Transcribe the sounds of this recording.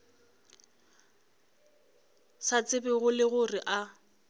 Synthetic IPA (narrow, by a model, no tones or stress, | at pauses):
sat͡sɪbɪɣʊlɪɣʊrɪʔa